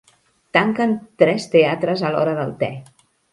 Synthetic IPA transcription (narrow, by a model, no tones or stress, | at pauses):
t̪aŋkənt̪ɾɛst̪eat̪ɾəzəlɔɾəðə̰lˠt̪ɛ̰